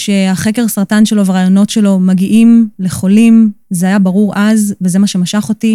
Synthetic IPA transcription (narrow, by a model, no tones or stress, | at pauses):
ʃe̞aχeke̞ʁsaʁtanʃe̞lo̞veʁaːjo̞no̞tʃe̞lo̞maɡiʔimle̞χo̞limzeajabaʁuʁʔazveze̞maʃe̞maʃaχo̞ti